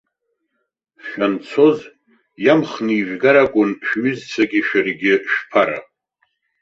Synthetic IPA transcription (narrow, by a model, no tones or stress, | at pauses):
ʃᶣant͡sʰo̞z | jamχniiʒᶣɡaɾakʷʼʊnʃᶣɥʏzt͡sʰaɡʲɪʃᶣɪrɡʲɪʃᶣpʰaɾa̰